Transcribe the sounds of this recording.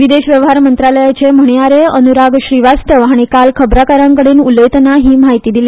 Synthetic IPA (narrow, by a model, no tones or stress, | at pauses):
ʋid̪eɕʋjəʋɦaɾmənt̪ɾaləjat͡ɕem̤əɳjaɾeənuɾaɡɕɾiʋast̪əʋaɽ̃ikalkʰəbɾakaɾãŋkəɽiːnuləjt̪naɦiːmaɦit̪iːd̪ilj